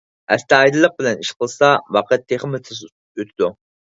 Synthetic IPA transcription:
ɛ̰st̪æɑjd̪ɨlˠːəq̚bɪlɛniʃqʰəlˠsɑwɑqʰæt̪ʰːeχmɪt̪ʰɪs | øt̪ʰɪd̪u

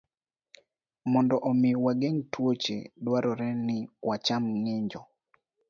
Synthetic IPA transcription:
mɔndɔʔɔmɪwaɡeŋtwot͡ʃḛdwaɾɔɾɛnɪwat͡ʃamŋeɲd͡ʒɔ

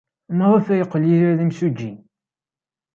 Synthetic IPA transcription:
mʁˤəfæjəqːliɾæðimsud͡ʒːi

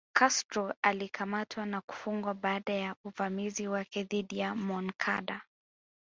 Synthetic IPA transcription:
kʰastɾɔalikʰamatʰwanaku̥fuŋɡwaɓaːɗajauvamiziwakɛðiɗijamɔnkʰa̰ɗa

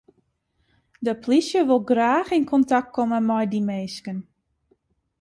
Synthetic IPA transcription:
dəplisjəʋʊlˠɡraːxinkʰɔntak̚t̚kʰɔməmɔjdimeːskən

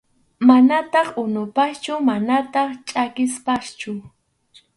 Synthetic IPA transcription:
manat̪ɑχʊnʊpast͡ʃʊmanat̪ɑχt͡ʃʼakɪspast͡ʃʊ

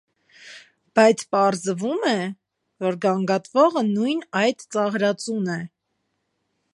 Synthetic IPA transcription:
b̥ɑjt͡sʰpɑɾzvumɛ | vɔɾɡɑŋɡɑt̪vɔʁənujnɑjd̪t͡sɑʁɾɑt͡sunɛ

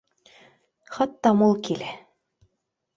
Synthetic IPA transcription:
χɑt̪ːɑmulˠkilæ

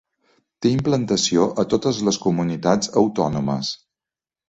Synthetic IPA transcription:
t̪eimplənt̪əsioʔət̪ot̪əzləskumunit̪ad͡zəwt̪ɔnuməs

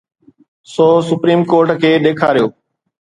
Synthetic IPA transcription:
soːsʊpɾiːmkoːɾʈkʰeːɗ̪eːkʰaːɾijoː

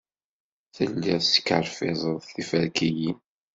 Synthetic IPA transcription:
θə̰lːiʁsə̥kːəɾfɪzˤəðˤθifəɾkijin

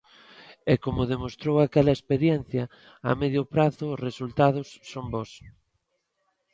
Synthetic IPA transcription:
ɛkomʊðemost̪ɾowakɛlɐespeɾjɛn̟θjɐ̰ː | mɛðjʊpɾaθʊːsresult̪að̞ʊsːombɔs

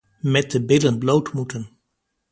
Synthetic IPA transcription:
mɛt̚dəbɪdlənblowtmutən

